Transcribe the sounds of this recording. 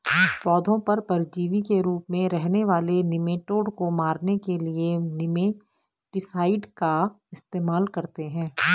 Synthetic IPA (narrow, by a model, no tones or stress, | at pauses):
pɔːd̪ʱõpɐɾpɐɾɪd͡ʒiːʋikeɾuːpmẽɾɛɦneʋaːlenɪmeːʈoːɽkomaːɾnekelienɪme | ɖɪsaːɪɖka | ɪst̪eːmaːlkɐɾt̪eɦɛ̃ː